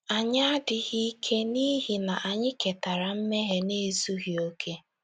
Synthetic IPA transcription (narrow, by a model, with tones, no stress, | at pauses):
a˨ɲa˦a˦dɪ˨ɣi˦i˦kʰe˦ni˦ɦi˨na˨ʔa˨ɲɪ˦ke˨ta˨ɾa˨m̩˦me˦ɦe˦ne˦zu˦ɣi˨o˦kʰe˦